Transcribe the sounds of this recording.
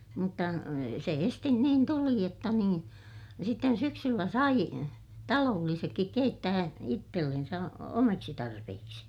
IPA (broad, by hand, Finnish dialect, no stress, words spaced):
mutːɑ se estin niːn tuli jotːɑ niːn sitːen syksylːæ sɑi tɑloːlːisekːik keitːæː itːelːensæ omɑksi tɑrpehiksi